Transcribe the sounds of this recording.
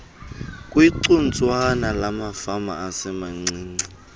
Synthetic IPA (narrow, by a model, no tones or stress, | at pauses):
kʼwiǀun̩t͡sʼwanalamafama̰asɛmaŋ͡ǀiːŋ͡ǀi